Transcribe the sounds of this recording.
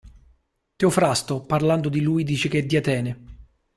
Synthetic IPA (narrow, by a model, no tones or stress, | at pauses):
t̪eofɾast̪oparland̪od̪iluːjd̪iːt͡ʃek̟eɛd̪ːiat̪ɛːne